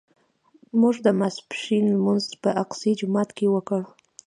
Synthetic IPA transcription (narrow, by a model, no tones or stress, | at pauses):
muʐd̪əmaspʃinlmunzpəʔaqsid͡ʒʊmɑt̪kewəkəɽ